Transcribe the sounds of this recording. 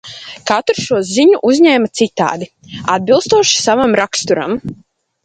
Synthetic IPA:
kat̪ɾʃuɔziɲuʔuzʲɲɛːmat̪sit̪a̰ːd̪i | ad̪̚bilˠst̪uɔʃi̥savamɾakst̪uɾa̰m

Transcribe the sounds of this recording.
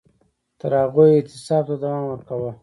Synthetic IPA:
t̪əɾhaɣojɪt̪ɪsɑb̚t̪ad̪awɑnwəɾkawə

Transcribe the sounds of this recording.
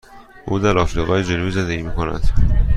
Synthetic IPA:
ʔuːd̪æɾɒːfɾiːʁɒːjed͡ʒenuːjizend̪eɟiːmiːkʰonæ̰d̪̥

